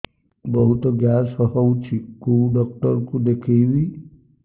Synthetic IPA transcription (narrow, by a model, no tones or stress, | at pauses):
bɔɦut̪ɔɡjasɔɦowt͡ʃʰikuɖɔk̚ʈɔɾkud̪ekʰejʋi